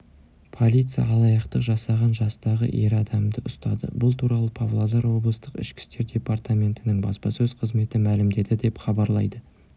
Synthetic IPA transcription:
pʰo̞lʲijt̪sɨjɑ̰ɑlˠɑjɑqt̪əqʒɑsɑʁɑnʒɑst̪ɑʁə̰ʔe̞ɾɑd̪ɑmd̪əʔʊst̪ɑ̰d̪ə̰bʊlˠt̪ʰuɾɑlˠəpʰavlˠad̪ɑɾwo̞blˠəst̪əqɪ̰ʃkʲɪ̥st̪e̞ɾd̪ʲe̞part̪amʲe̞nt̪ɪnɪŋbɑ̰spɑsɵz̥qʰəzme̞t̪ɪmælɪmd̪e̞d̪ɪd̪e̞pχɑbɑɾlˠɑjd̪ə

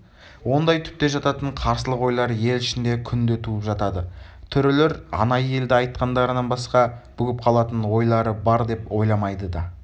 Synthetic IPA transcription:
wo̞nd̪ɑjt̪ʰʏ̥p̚t̪e̞ʒɑt̪ɑt̪əɴqʰɑɾsəlˠəqwo̞jlˠɑɾje̞lɪʃɪnd̪e̞kʲʰʏnd̪et̪ʰuəpʒɑt̪ɑd̪ət̪ʰʏɾɪle̞ɾɑ̰nɑjəe̞ld̪ɪɑjt̪̚qɑnd̪ɑɾənɑnbɑsqɑb̥ʏɡʲɪp̚qʰɑlˠɑt̪ənwo̞jlˠɑɾəbɑɾd̪e̞po̞jlˠɑmɑjd̪əd̪ɑ

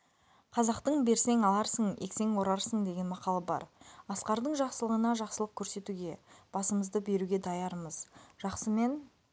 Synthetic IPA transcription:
qʰɑzɑqt̪əɴbe̞ɾse̞ŋɑlˠɑɾsəɴḛkse̞ŋwo̞ɾɑɾsəɴd̪e̞ɡʲe̞nmɑqɑlˠɑbɑ̰ɾɑsqɑɾd̪əɴʒɑqsəlˠəʁənɑʒɑqsəlˠəq̚kʲʰɵɾse̞t̪uɡʲe̞b̥ɑsəməzd̪əbe̞ɾuɡʲe̞d̪ɑjɑɾməzʒ̥ɑqsəme̞n

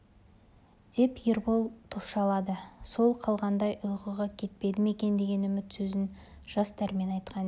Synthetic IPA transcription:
d̪̥e̞pjeɾbolˠt̪ʰopʃɑlˠɑd̪əso̞lˠqʰɑlˠʁɑnd̪ɑjʊjqəʁɑkʲʰe̞t̪̚pe̞d̪ɪme̞kʲe̞nd̪e̞ɡʲe̞nʏmɪt̪sɵzɪn | ʒ̥ɑst̪æɾme̞nɑjt̪qʰɑn

